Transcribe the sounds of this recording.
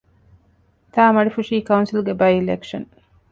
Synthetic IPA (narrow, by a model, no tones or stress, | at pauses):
t̪aːmɐɖifuʂiːkɐunsilɡebɐjilekʂɐn